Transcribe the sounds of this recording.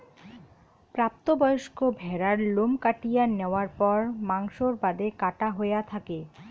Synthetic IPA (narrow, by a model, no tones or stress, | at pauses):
pɾap̚t̪obɔjoʃkobʱɛɾaɾlomkaʈijaneoaɾpɔɾmaŋʃoɾbad̪ekaʈaɦoejat̪ʰake